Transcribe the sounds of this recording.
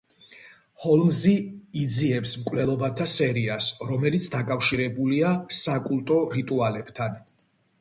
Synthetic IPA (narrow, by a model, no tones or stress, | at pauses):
hɔlˠmziːd̪ziɛpsmkʼvlɛlˠɔbat̪ʰasɛɾiasɾɔmɛlit̪sʰd̪akʼafʃiɾɛbuliasakʼulˠt̪ʼɔɾit̪ʼualɛb̥t̪ʰan